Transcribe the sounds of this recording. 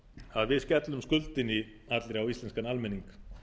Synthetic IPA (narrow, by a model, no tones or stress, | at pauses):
aðvɪðscɛt̪lʏmskʏlt̪ɪnːɪ | at̪lɪɾawist̪ɛnskanalmɛniŋk